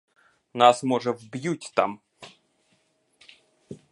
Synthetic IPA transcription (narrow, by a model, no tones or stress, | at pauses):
nasmɔʐəvbjutʲt̪a̰m